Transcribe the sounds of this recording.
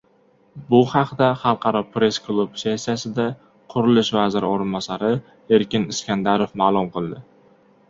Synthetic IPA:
bʊhɑqʰd̪aχɑlˠqʰɑɾɒpɾe̞sklˠubse̞sːijasɪd̪a | qʰʊɾɪlɪʃvazɪɾɪoɾɪnbɒsaɾɪ | e̞ɾkʲɪnɪskʲand̪aɾofmaːlˠʊmqʰɨlˠd̪ɪ

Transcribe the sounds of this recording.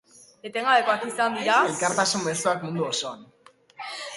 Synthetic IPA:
e̞t̪e̞ŋɡaβe̞ko̞akisand̪iɾaelkaɾt̪asumme̞suakmund̪uoso̞an

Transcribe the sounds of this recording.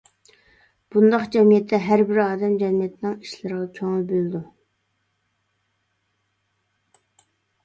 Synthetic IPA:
b̥und̪ɑqd͡ʒɛmijɛt̪ʰːɛɦæɾbɪɾɑːd̪ɛmd͡ʒɛmijɛt̪ʰɪnɨŋiʃlɪɾəʁɑkʲʰoŋlˠbølɪd̪u

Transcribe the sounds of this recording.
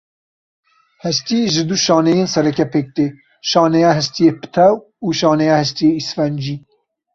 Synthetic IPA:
hɛst̪ijeʒɨd̪uʃɑːnejeːnsɛɾɛkɛpʰeːk̚t̪eː | ʃɑːnɛjɑːɦɛst̪ijeːpɨ̥t̪ʰɛw | uːʃɑːnɛjaːhɛst̪ijeːisfɛnd͡ʒiː

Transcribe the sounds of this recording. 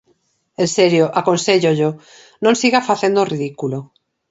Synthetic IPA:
ẽnseɾjoʔakonseʎoʎo | nõnsiɣafaθend̪oriðikulo

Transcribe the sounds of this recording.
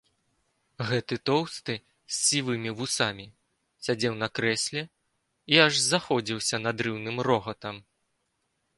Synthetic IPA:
ɣɛt̪ɨt̪ɔwst̪ɨ | sʲːivɨmʲivusamʲi | sʲad͡zʲɛwnɐkɾɛsʲlʲɛ | iaʐzaxɔd͡zʲiwsʲɐnɐd̪ɾɨwnɨmrɔɣɐt̪ɐm

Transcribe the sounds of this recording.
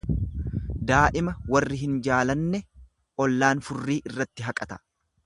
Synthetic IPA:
d̪aːʔɪmɐwɐrːɪɦɪnd͡ʒaːlɐnːɛ | ɔlːaːnfʊrːiːʔɪrːɐt̪ːɪɦɐkʼɐt̪ɐ̥

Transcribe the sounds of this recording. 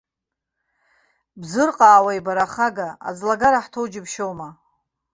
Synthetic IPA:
bzɨrqʼaːwajbaɾaχaɡaa̰d͡zlaɡaɾaħtʰowd͡ʒɪbʰʃowma

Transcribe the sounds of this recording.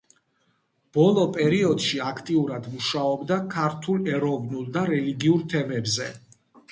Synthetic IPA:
b̥ɔlˠɔpʼɛɾiɔd̪̥ʃiakʰt̪ʼiuɾad̪muʃaɔbd̪akʰaɾt̪ʰulˠɛɾɔvnulˠd̪aɾɛliɡiuɾt̪ʰɛmɛbzɛ

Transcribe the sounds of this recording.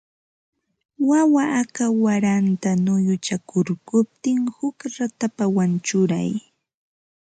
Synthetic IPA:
wawaʔːkawaɾant̪anʊjʊt͡ʃakʊɾkʊp̚t̪ɪŋhʊkɾat̪apawant͡ʃʊɾa̰j

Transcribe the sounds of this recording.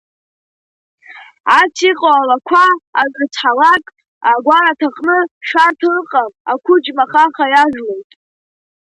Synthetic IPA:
at͡sʰiqʼoalakʷʰaːzrt͡sʰħalakʼ | aɡʷaɾatʰaqʼnɨʂartʰrqʼamakʷʰʊd͡ʒmaχaχajaʒlojtʼ

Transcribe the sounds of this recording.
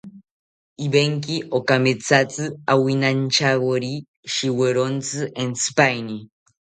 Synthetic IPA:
iβeŋkiʔokamet͡sat͡sɨawinant͡ʃaɣoɾi | ʃiweɾont͡sɨʔent͡sɨ̥pajni

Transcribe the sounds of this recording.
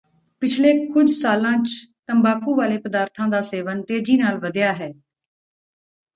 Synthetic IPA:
pɪt͡ʃʰleːkʊd͡ʒʱsaːlãːt͡ʃt̪əmbaːkʰũːʋaːleːpəd̪aːɾt̪ʰãːd̪aːseːʋənt̪eːd͡ʒiːnaːlʋəd̪jaːɦɛː

